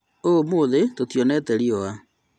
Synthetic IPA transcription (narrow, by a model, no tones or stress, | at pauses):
omoðetotjɔnɛtɛɾiɔa